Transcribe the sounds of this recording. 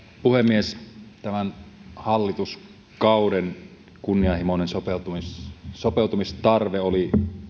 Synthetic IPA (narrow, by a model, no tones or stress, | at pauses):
puhemːiest̪æmænhɑlːit̪us | kɑˑuden | kunːiɑhimonensopeut̪umissopeˑut̪umist̪ɑrʋeoli